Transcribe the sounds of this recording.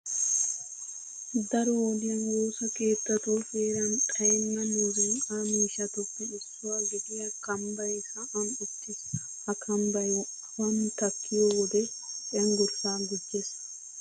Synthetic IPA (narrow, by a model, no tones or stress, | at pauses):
d̪ɐɾɔwɔd̪ɪjɐnwoːsɐke̞ːt̪ːɐt̪ufeːɾɐnkʼɐjɛnːɐmuːzʊŋkʼaːmiːʃɐt̪ʊpːɪɪsːʊwaːɡɪd̪ɪjɐkɐmbɐjhɐʔɐnʊt̪ːɪs | hɐkʰɐmbɐj | wɐnt̪ɐkːɪjoːwɔd̪ɛ | ɐŋɡʊɾsaːɡɪd͡ʒːeːs